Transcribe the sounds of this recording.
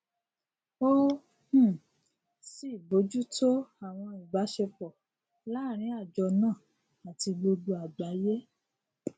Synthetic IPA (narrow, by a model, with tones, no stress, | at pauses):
o˦ | h̩˦˨ | si˦˨bo˨˦d͡ʒu˦to˦a˨w̃ɔ̃˧i˨ɡ͡ba˨˦ʃe˧k͡pɔ˨ | la˦˨ɾ̃ĩ˨˦a˦˨d͡ʒɔ˧nãː˦˨ | a˨ti˧ɡ͡bo˧do˧a˨ɡ͡ba˨˦je˦